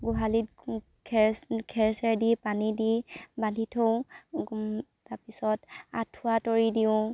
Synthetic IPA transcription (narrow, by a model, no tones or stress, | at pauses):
ɡuɦalit̚ | kʰɛɹskʰɛɹsɛɹdipanidibandʱitʰow | tapisɔta̰tʰuatoɹidiʊ̃